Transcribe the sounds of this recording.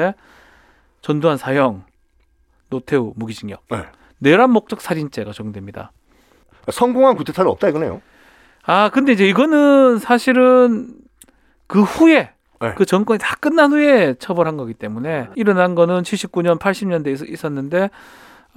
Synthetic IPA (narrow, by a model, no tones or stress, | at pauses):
e | t͡ɕʌndoɦansʰajʌŋ | notʰe̞umuɡid͡ʑiŋjʌ̰kḛ | ne̞ɾanmːok̚t͡ɕ͈ʌk̚s͈aɾint͡ɕ͈e̞ɡat͡ɕoŋdwe̞mɲida̰ | asʰʌŋɡoŋɦankutʰetʰaɾɯʌ̰p̚t͈aiɡʌnejo̰ | akɯnde̞id͡ʑe̞iɡʌnɯnsʰaɕʰiɾɯn | kɯɸuje̞ | ekɯt͡ɕʌŋk͈wʌɲitḁk͈ɯnːanɦuje̞t͡ɕʰʌbʌɾɦanɡʌɡit͈e̞mune̞iɾʌnanɡʌnɯnt͡ɕʰiɭɕ͈ip̚k͈uɲʌnpʰaɭɕ͈ʰimɲʌndeis͈ʌnːɯnde̞